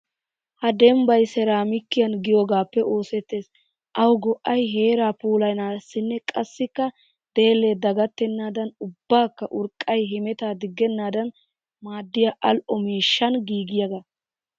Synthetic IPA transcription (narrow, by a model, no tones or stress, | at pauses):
hɐd̪ɛmbɐjsɛɾaːmɪkːɪjɐnɡɪjoːɡaːpːɛʔo̞ːsɛt̪ːe̞ːs | ʔɐwɡɔʔɐjɦe̞ːɾaːpuːlɐjnaːsːɪnːɛkʼɐsːɪkːɐ | d̪̥e̞ːlːe̞ːd̪ɐɡɐt̪ːɛnːaːd̪ɐnʊbːaːkːɐʔʊɾkʼːɐjɦɪmɛt̪aːd̪ɪɡːɛnːaːd̪ɐn | maːd̪ːɪjaʔɐlʔɔmiːʃːɐnɡiːɡɪjɐɡɐ